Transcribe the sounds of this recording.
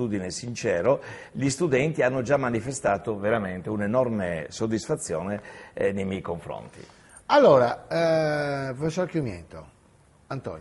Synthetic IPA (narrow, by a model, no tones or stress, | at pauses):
t̪uːd̪inesint͡ʃɛːɾo | ʎist̪ud̪ɛnt̪ianːod͡ʒamːanifest̪aːt̪oveɾament̪eunenɔrmesod̪ːisfat̪sːjɔ̰ːnenejmɛjkoɱfɾo̰nt̪ḭ | alːoːɾa | pfesɔɾkjumjɛ̰nt̪o | ant̪ɔ̰n